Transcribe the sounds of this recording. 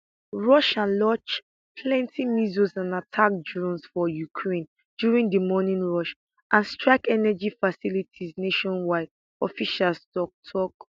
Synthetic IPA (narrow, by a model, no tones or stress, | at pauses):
ɹɔʃãnlɔt͡ʃ | pʰlɛ̃ntʰimizuzãnatʰak̚dɹɔ̃nsfɔjukʰɹẽn | djuɹĩŋdəmɔnĩnɹɔʃ | ʔãnstɹaɪkɛnɛd͡ʒifasilitʰizneʃɔ̃nwaɪd | ɔfiʃalstɔk̚tʰɔk